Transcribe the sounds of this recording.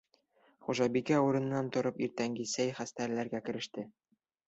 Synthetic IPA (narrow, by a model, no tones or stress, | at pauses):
χuʒɑbikæuɾɤ̆n̆nːɑnt̪ŏɾɤpiɾt̪æŋɡisæjχæst̪æɾlæɾɡækɘ̆ɾɘ̆ʃt̪ɘ